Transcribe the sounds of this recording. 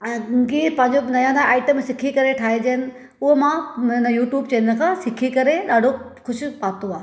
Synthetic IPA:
kipɐ̃ɪɲd͡ʑonɐjãnaaːɪʈəmsɪkʰikɐɾeʈʰaːɦed͡ʑɐnɪ̆ | ʊɦmãnjuːʈjuːbt͡ɕeːnkʰãːsɪkʰikɐɾeɗaːɖʱoxʊʃpaːt̪oaː

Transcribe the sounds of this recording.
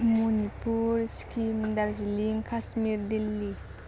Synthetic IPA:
munipuɾskimd̪aɾziliŋkʰasmiɾd̪elːi

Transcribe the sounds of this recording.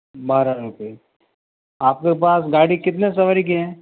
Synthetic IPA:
baːɾaɾʊpe | aːp̚kepaːsɡaːɽikɪt̪̬nes̬ɐʋaːɾik̬iɦɛ̃ː

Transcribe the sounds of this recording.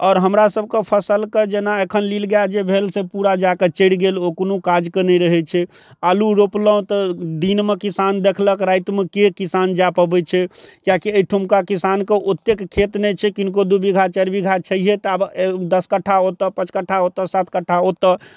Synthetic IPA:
ɔːɾɦəmɾasəb̚ʱkepʰəsəlked͡ʒenaekʰənlilɡjad͡ʒebʱelsepuɾad͡ʒaket͡ʃeɽɡelokonokad͡ʒkenɛɾəɦɛt͡ʃʰɛ | aluɾoplə̃t̪ɔd̪inmekisand̪ekʰləkɾajt̪mekekisand͡ʒapəbɛt͡ʃʰɛkjakiəiʈʰumkakisankeʔot̪ːekkʰːet̪nɛt͡ʃʰɛkink̬od̪ubiɡʱat͡ʃəɾbiɡʱat͡ʃʰəiɦɛt̪abd̪əskəʈʰaot̪əpə̃t͡ʃkəʈʰːaot̪əsat̪̚ʰkəʈʰaot̪ə

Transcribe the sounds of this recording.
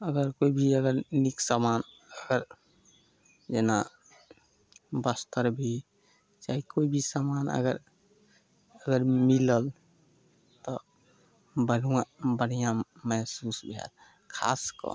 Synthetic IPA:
əɡəɾkoibʱiəɡəɾniksəman | əɡəɾ | d͡ʒena | bəst̪əɾbʱi | t͡ʃaɦikoibʱisəmanə̰ɡəɾ | əɡəɾmiləl | t̪ɔ | bənuwãbəɽ̤ijãmɛsusbʱeə̰l | kʰa̰skə̰

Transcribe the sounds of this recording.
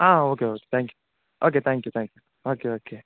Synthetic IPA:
aːoːkeoːket̪ʰæ̃ŋk̬ju | ʔoːk̬eːt̪ʰæ̃ŋkjut̪ʰæ̃ŋkʲju | oːkeoːke

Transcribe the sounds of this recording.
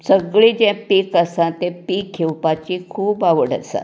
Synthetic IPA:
səɡɭĩd͡ʑẽpiːkəsãt̪ẽpiːkʰːewpat͡ɕikʰuːbaʋəɽə̰sa̰

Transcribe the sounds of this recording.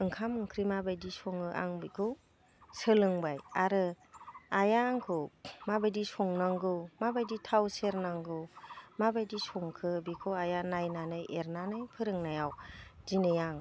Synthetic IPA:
ɯŋkʰamɯŋkʰɾimabajdisɔŋɯʔa̰ŋbikʰɯw | sɯlɯŋbajaɾɯ | ajaːŋkʰɯwmabajdisɔŋnaŋɡɯmabajditʰawseɾnaŋɡɯwmabajdisɔŋkʰɯbikʰoajanajnanɯjeɾnanɯjpʰɯɾɯŋnajawzinɯjaŋ

